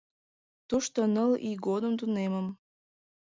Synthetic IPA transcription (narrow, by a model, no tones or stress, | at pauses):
t̪uʃt̪onəlḭɡod̪əmt̪̬uneməm